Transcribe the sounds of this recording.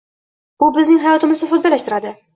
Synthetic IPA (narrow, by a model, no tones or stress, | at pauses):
bʊbɪznɪŋɦajɒt̪ɪmɪzd̪afʊt̪bɒlːaʃt̪ɪɾad̪ɪ